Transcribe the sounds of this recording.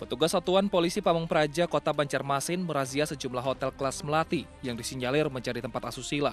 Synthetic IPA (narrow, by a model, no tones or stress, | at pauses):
pət̪uɡasat̪uanpolisipamuŋpəɾad͡ʒakot̪abaɲt͡ʃarmasɪnməɾaziasəd͡ʒumlaɦot̪ɛlklasməlat̪i | jaŋdisiɲd͡ʒalɪrməɲt͡ʃaɾit̪əmpat̪asusila